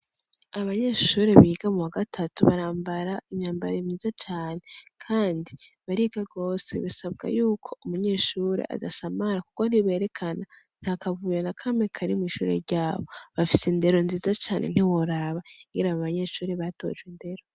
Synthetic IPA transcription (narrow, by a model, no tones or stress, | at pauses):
aβaɲeʃuɾe̞βiːɡamuwaɡatʰatuβaɾaːmbaɾaiɲaːmbaɾimɲiːzat͡ʃaːne̞kʰaːndiβaɾiɡaɡo̞se̞̰βisab̚ɡa̰juːkʰo̞umuɲe̞ːʃuːɾḛʔa̰dasamaɾaku̥koniβe̞ːɾe̞kʰana | n̥hakavuːjanakʰame̞kʰaɾimwiːʃṵːɾe̞̰ɾɟaːβo̞βafisende̞ɾo̞nziːzat͡ʃaːnʔḛn̥hiwoɾaβaɡiɾaβaβaɲe̞ʃuːɾe̞βato̞̰ʒɡwinde̞ɾo